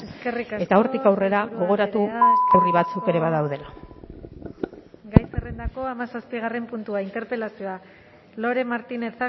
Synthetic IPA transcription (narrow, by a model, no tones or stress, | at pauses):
eske̞rikae̞t̪aoɾt̪ikawre̞ɾaɣo̞ɣ̞o̞ɾat̪uawriβat͡suke̞ɾe̞βaðawðe̞la | ɡajserend̪ako̞amasaspiɣ̞are̞mpunt̪uaint̪e̞ɾpe̞lasioa | lo̞ɾe̞maɾt̪ine̞t͡sa